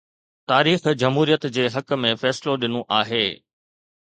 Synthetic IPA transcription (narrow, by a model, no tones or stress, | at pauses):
t̪aːɾiːxd͡ʑɐmɦuːɾijət̪d͡ʑeːɦɐkmẽfɛːsloɗɪnoʔaːɦeː